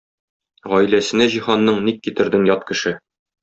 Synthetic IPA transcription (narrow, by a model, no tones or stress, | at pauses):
ʁɒjlæsɘ̆næʑihɑnːɤɴnikːit̪ɘ̆ɾd̪ɘŋjɒt̪kɘ̆ʃɘ